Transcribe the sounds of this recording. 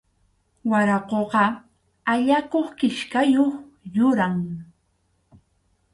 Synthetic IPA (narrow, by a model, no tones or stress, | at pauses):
waɾɑqoɢɑ | aʎakoχkɪʃkajoχ | jʊɾaŋ